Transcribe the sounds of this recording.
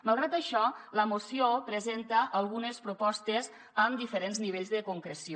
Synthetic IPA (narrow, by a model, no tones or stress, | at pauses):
malˠɣɾat̪əʃɔləmusiopɾəzent̪əʔːlˠɣunəspɾupɔst̪əz | əmd̪ifəɾenzniβ̞eʎzðəkuŋkɾəsi